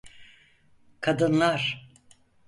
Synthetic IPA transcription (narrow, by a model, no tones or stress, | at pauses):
kʰad̪ɯnlˠaɾ̥